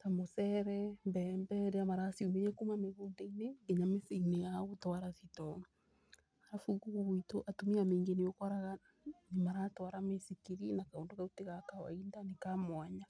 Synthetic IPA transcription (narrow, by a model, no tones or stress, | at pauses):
tamosɛɾɛmbɛːmbɛɾeamaɾasiumeɾɛkumameɣoːndaineeɲamesiinejaotwaɾaðitɔŋ | aɾafuɡuɣoɣwitoʔatomiameːŋɡeneokɔɾaɣa | nemaɾaːtwaɾamesikiɾinakaondoɣauteɣakawa̰indanekamwaɲa